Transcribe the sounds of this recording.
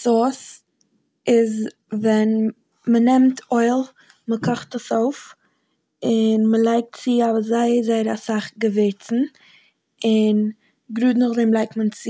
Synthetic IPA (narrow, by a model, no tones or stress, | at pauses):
sɔs | ɪz | vɛn | mənɛmtʰoɪlˠ | məkʰɔχtəsoʊf | ɪnməlˠaɪk̚tt͡sɪavzaɪəzaɪəɾasaχɡəveɪt͡sn̩ | ɪn | ɡɾuːdnəχlˠeɪmlˠaɪk̚tmənt͡sɪ